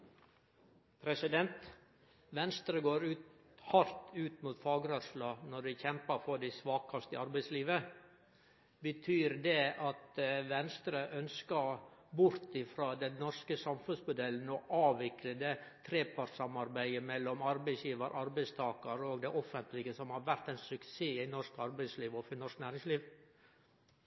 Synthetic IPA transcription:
pʰɾɛsɪd̪ɛnt̪ | ʋɛnst̪ɾəɡoːɾʉːt̪ | hɑɾt̪ʉːt̪muːt̪fɑːɡɾœslɑnɔɾʋɪçɛmpəɾfɔɖ̪ɪsʋɑːkɑst̪ɪɑɾbæɪsliːʋə | bət̪ʰyːɾd̪ɛʔɑt̪ʋɛnst̪ɾəʔœnskɑbʊɾt̪ɪfɾɑːd̪ɛnnɔʂkəsɑmfʉnsmʊd̪ɛlːn̩ɔʔɑːʋɪkləd̪ɛt̪ʰɾeːpʰɑɾsɑmɑɾbæɪəmɛlːɔmɑɾbæɪsjiːʋɑɾ̰ʔɑɾbæɪst̪ʰɑːkɑɾəɔɡd̪ɛʔɔfənt̪lɪɡəsɔmhɑɾʋæɾt̪æɪnsʉkseːɪnɔʂkɑɾbæɪsliːʋɔfɪnɔʂknæːɾɪŋsliːʋ

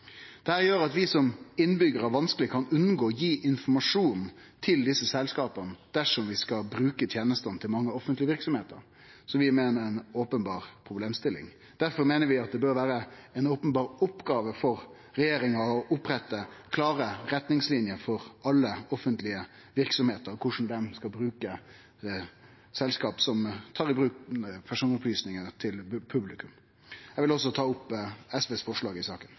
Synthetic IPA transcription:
d̪̥ɛhæːɾjøːɾɑt̪ʋɪsɔmɪnbʏɡəɾæɾʋɑnskəlɪkʰɑnʉnːɡoːjiːʔɪnfɔmɑʂuːn | t̪ʰɪld̪ɪsːəsɛlskɑːpənəd̪̥æʂɔmʋɪskɑbɾʉːkət̪ʰjeːnəst̪ənt̪ʰɪlmɑŋːəɔfənt̪lɪəʋɪɾksɔmheːt̪ə̰ɾ | sɔʋɪmeːnəɾɛnoːpənbɑːʁpʰɾʊbleːmst̪ɪlɪ̰ŋ | d̪̥æɾfɔɾmeːnəɾʋɪɑt̪̚d̪ɛbøːɾʋæːɾəɛnoːpənbɑːɾʊpːɡɑːʋəfɔɾ | ɾɛjeːɾɪŋəɔʔʊpːɾɛt̪ːəkʰlɑːɾəɾɛt̪nɪŋslɪnjəɾfɔɾɑlːəɔfənt̪lɪə | ʋɪɾksɔmheːt̪əɾɔkʰʊʂn̩d̪ɛmskɑbɾʉːkə | sɛlskɑːpsɔmt̪ʰɑːʁɪbɾʉːkpʰæʂuːnɔplyːsnɪŋəət̪ʰɪlpʰʉblɪkʉm | jɛʋɪlɔs̬ɔt̪ʰɑːʊpːɛsʋeːsfɔʂlɑːɡɪsɑːkən

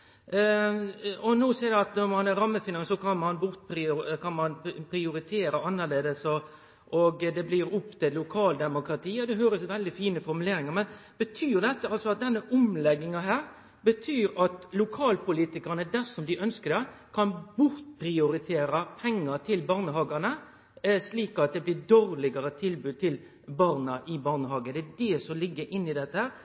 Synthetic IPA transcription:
ɔnoːseːɾd̪ɛɑt̪nɔmɑnɛɾɑmːəfɪnɑŋsɔkʰɑnmɑnbʊɾt̪̚pʰɾɪkʰɑnmɑnpʰɾɪʊɾɪt̪ʰeːɾɑɑnːəleːd̪əsɔ | ʔɔɡd̪ɛblɪɾʊpt̪ɪlʊkʰɑːld̪ɛmʊkɾɑt̪ʰiːɑd̪ɛɦøːɾəsʋɛld̪ɪfiːnəfɔɾmʉleːɾɪŋɑmɛnb̥ət̪ʰyːɾd̪ɛt̪ːəɑlsɔɑt̪̚d̪ɛnːəʔʊmlɛɡːɪŋɑɦæːɾ | bət̪ʰyːɾɑt̪lʊkʰɑːlpʊliːt̪ɪkɑɾnəd̪æʂɔmd̪ɪʔœnskəd̪ɛkʰɑnbʊɾt̪̚pʰɾɪʊɾɪt̪ʰeːɾɑpʰɛŋːəɾt̪ʰɪlbɑːɾnəɦɑːɡɑnə | sliːkɑt̪̚d̪ɛblɪɾd̪oːɾlɪɡɑɾət̪ʰɪlbʉːd̪̚t̪ʰɪl | bɑːɾnɑʔɪbɑːʁnəɦɑːɡənd̪ɛæɖɛsɔlɪɡːəɾʔɪnːɪd̪ɛt̪ːəhæːɾ

